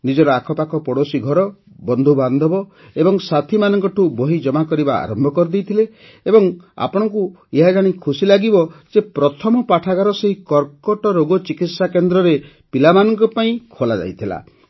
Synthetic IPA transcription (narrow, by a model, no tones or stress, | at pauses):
nid͡ʒɔɾɔakʰɔpakʰɔpɔɽosiɡʱɔɾɔ | bɔnd̪ʱuband̪ʱɔbɔ | ebɔŋsat̪ʰimanɔŋkɔʈʰuboɦid͡ʒɔmakɔɾibaa̰ɾɔmbʱɔkɔɾd̪ejt̪ʰile | ebɔŋ | a̰pɔɽ̃ɔŋku | eɦad͡ʒaɽ̃ikʰusilaɡibɔsepɾɔt̪ʰɔmɔpaʈʰaɡaɾɔseɦikɔɾkɔʈɔɾoɡɔt͡ʃikit̪sakend̪ɾɔɾe | pilamanɔŋkɔpaĩkʰolad͡ʒa̰jt̪ʰila̰